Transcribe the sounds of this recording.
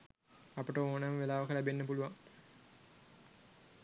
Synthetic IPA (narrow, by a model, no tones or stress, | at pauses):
apəʈəoːnmʋelaːʋəkəlæbenːəpuluʋaŋ